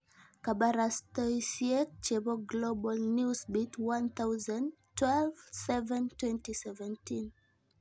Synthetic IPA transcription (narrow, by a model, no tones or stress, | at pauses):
kabaɾastɔsiɛk̚t͡ʃebɔɡlobalnjusbitwãnθawzãntwɛlv̥sɛvɛ̃ntwɛ̃ntisɛvɛ̃ntʰĩn